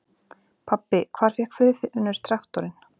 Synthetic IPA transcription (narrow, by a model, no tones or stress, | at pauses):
pʰapːɪkʰv̥aːɾ̥fjɛhkfʏððɪʔʏnːʏɾ̥t̪ʰɾaht̪ɔɾɪn